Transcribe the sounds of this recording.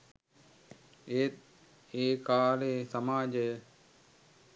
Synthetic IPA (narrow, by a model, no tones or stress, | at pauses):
et̪̚ | eːkaːleːsɐmaːd͡ʒej